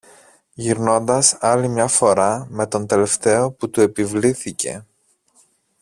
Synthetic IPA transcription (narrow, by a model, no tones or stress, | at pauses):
ʝiɾno̞nd̪ɐsɐlimɲɐfo̞ɾɐme̞t̪o̞nt̪e̞le̞ft̪e̞o̞put̪ue̞pivliθice̞̰